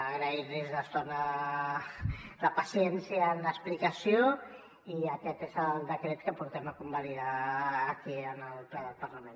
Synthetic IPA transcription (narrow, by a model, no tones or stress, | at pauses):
əɣɾəiɾlizðəst̪onə | ðəpəsijɛnsiəːnləsplikəsio | iəkɛt̪ezəlˠd̪əkɾet̪kəpuɾt̪ɛməkumbəliðaːkiənəlˠplɛðəlˠpəɾləmẽn